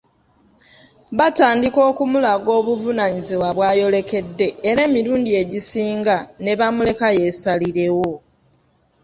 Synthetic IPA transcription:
βataːndiko̞ːkumulaɡo̞ːβuvunaɲiziwaβwaːjo̞le̞ke̞dːe̞ːɾe̞ːmiɾuːndie̞ɟisiːŋɡane̞βamule̞kaje̞saliɾe̞wo̞

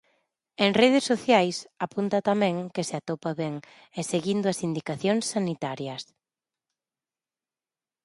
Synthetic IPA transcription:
eŋreð̞esːoθjajsapunt̪ɐt̪amɛ̃ŋkeseat̪opaβɛŋ | eseɣind̪ʊɐsind̪ikaθjoŋsːanit̪aɾjɐs

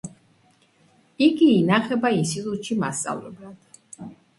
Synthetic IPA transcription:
iɡiːnaχɛbainsit̪ʼut̪ʃima̰st̪sʼa̰vlɛblad̪̥

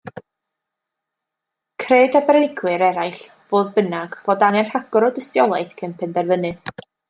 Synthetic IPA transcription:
kʰreːdabrɛnɪɡwɨɾɛɾajɬ | voːðbənaɡvɔdanɛrhaɡɔɾɔdəstjɔlˠajθkʰənpʰɛndɛrvənɨ

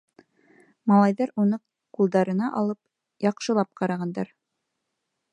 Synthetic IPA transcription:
mɑlˠɑjðɑɾunɤ | qulˠd̪ɑɾɤ̆nɑʔɑ̰lˠɤp̚ | jɑqʃɤ̆lˠɑp̚qɑɾɑʁɑnd̪ɑɾ

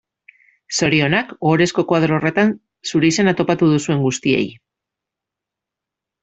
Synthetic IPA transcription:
so̞ɾio̞nako̞ɾe̞sko̞kwað̞ɾo̞ːre̞t̪an | suɾe̞ise̞nat̪o̞pat̪uðusue̞ŋɡust̪ie̞̰j

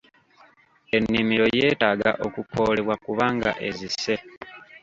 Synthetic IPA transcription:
e̞nːimiɾo̞je̞ːtaːɡa̰ʔo̞kukʰo̞̰ːle̞βwakuβaːŋɡa̰ʔe̞zise̞

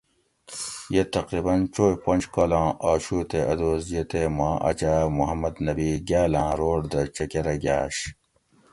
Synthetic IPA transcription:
jet̪ɐqɾiːbɐnt͡ʃoːjpɐnd͡ʑkolãːʔaːɕuːt̪eʔɐd̪oːzjet̪emãːʔɐ̰t͡ɕamuɦɐmɐd̪nɐbiːɡaːlãːɾoːɽd̪ɐt͡ɕɐkeɾɐɡa̰ːɕ

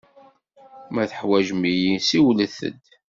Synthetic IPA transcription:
mæθəħwæʒmijisiwləθə̰d̪

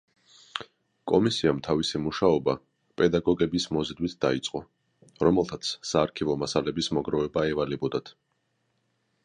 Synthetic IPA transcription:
kʼɔmisiamt̪ʰavisimuʃaɔba | pʼɛd̪aɡɔɡɛbismɔzɛd̪wit̪̚ʰd̪̥a̰it̪sʼqʼɔ | ɾɔmɛlˠt̪ʰat̪sʰsaːɾkʰivɔmasalɛbismɔɡɾɔvɛbaɛvalɛbɔd̪at̪ʰ

